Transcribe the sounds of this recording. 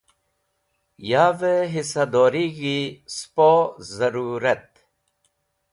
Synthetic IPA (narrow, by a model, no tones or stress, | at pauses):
jaːveɦisad̪oːɾiɣispozɐɾuːɾɐt̪̚